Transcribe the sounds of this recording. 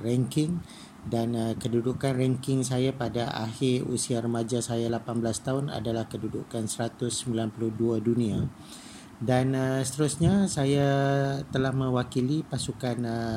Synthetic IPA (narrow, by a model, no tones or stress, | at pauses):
rɛŋkɪŋ | danəkədudukanrɛŋkɪŋsajapadaʔa̰hɪṵsiaɾəmad͡ʒasajalapanbəlast̪aɦʊna̰dalahkədudukansəɾat̪ʊsːəmbilanpuluhduadunĩa | danəsə̥t̪əɾusɲasajat̪əlahmə̃wakilipasukan